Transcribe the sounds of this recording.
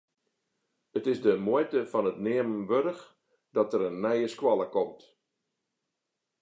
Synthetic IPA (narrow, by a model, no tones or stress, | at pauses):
ətɪsdəmojtəfɔnətnɪəmənʋøɾəx | d̥ɔtəɾənːɛjəskwɔlˠəkɔmt